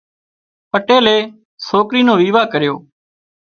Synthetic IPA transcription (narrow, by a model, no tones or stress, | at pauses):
pəʈeːleː | soːkɾiːnõːʋiːʋaːkəɾɪjo̰ː